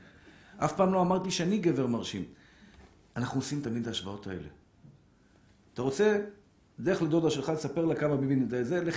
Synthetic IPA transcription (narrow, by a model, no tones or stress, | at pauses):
ʔafpaːmlo̞amaʁt̪iʃeaniɡe̞veʁmaʁʃim | anaχnuosimt̪amid̪aːʃvao̞t̪ae̞̰le̞̰ | at̪aʁo̞t͡se̞ | d̪eeχled̪o̞d̪aʃelχalesape̞ʁlakamabibined̪azele